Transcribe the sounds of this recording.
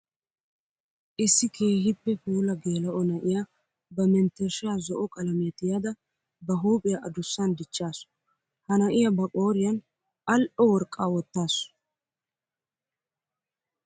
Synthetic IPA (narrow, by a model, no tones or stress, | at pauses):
ʔɪsːɪkʰe̞ːhɪpːɛhuːlɐɡeːlɐʔɔnɐʔɪja | bɐmɛnt̪ːɛɾʃɪjaːzɔʔɔkʼɐlɐmɪjɐt̪ɪjad̪ɐ | bɐɦuːpʼɪjɐʔɐd̪ʊsːɐnd̪ɪt͡ʃːaːs | hɐnɐʔɪjɐbɐkʼo̞ːɾɪjɐn | ʔɐlʔɔwɔɾkʼːaːwɔt̪ːaːs